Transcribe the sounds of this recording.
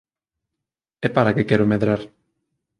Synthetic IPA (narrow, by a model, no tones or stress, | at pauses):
ɛpaɾakekɛɾomeðɾaɾ